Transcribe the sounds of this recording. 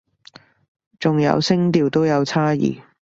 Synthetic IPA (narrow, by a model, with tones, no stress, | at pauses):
t͡sʊ˨ŋjɐ̰˧wsɪ˥ŋt̪iː˨˩wt̪o˥wjɐ˨˧wt͡sʰaː˥jḭː˨˩